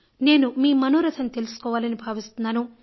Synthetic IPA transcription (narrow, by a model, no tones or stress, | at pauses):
ne̞ːnumiːmɐnoːɾɐt̪ʰɐnt̪e̞lusu̥kɔːʋaːlɐnibʱaːʋist̪unːaːnu